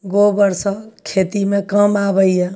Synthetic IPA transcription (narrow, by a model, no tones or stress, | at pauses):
ɡobəɾsəkʰet̪imekəmabəjje